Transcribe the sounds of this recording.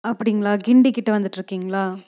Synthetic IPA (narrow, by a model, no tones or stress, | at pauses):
ɐpːɐɽɪŋɡɐɭaːɡɪɳɖikːɪʈːɐʋɐnd̪ɯʈːɾɯkːiːŋɡɐɭaː